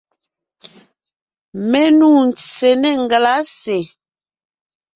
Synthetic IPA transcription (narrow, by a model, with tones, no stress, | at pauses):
mɛ˦nu˦˨n˨se˨nɛ˦˨ŋ˨ɡla˦se˨